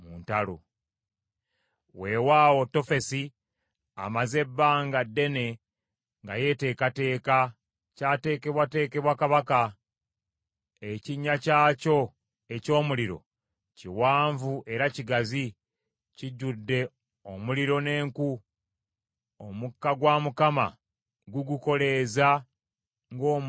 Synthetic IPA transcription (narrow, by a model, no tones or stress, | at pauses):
muntalo | we̞waːwo̞to̞fe̞si | a̰maze̞bːaːŋɡadːe̞ne̞ | ŋɡa̰je̞te̞ːkate̞ːka | caːte̞ːke̞βwate̞ːke̞βwakaβaka | eciɲːacaːco̞ | e̞co̞ːmuliɾo̞̰ | ciwaːɱvuʔe̞ɾaciɡazi | ciɟːudːe̞ | o̞muliɾo̞ne̞ːŋku | omukːaɡwamukama̰ | ɡuɡuko̞le̞za | ŋɡo̞ːm